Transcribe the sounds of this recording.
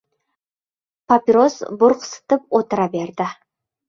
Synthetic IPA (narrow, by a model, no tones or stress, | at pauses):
pʰapiɾosbʊɾqsə̥t̪əp̚wot̪əɾɑbe̞ɾd̪ɪ